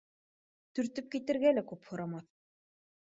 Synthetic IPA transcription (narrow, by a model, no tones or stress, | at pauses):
t̪ɵ̆ɾt̪ɵp̚kit̪ɘ̆ɾɡælækʉphŏɾɑmɑθ